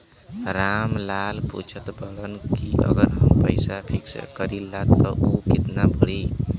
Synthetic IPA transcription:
ɾamlalpṵt͡ʃʰət̪bəɽənkiʔʌ̰ɡəɾɦəmpəɪsapʰikskəɾilːat̪ːɔʔukit̪nabəɽi

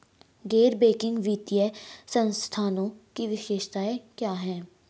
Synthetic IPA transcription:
ɡeːɾbeːkɪ̃ŋɡʋiːt̪ijɛsənst̪ʰaːnõːkiʋɪʃeːʃt̪aːekjaːɦɛː

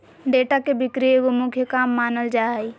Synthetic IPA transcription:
ɖeːʈakebʱɪkɾieɡomʊkʰjəkaːmːaːnəld͡ʒaːi

